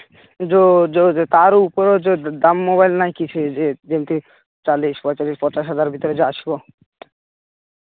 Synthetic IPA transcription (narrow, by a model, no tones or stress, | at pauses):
d͡ʑod͡ʒod͡ʒet̪aɾupoɾod͡ʑed̪amːoβajlnajkit͡ɕʰued͡ʑemt̪i | t͡ʃaliʃpɔt͡ʃaliʃpɔɾt͡ʃaʃɦad̪aɾbʱit̪oɾed͡ʑeaʃbo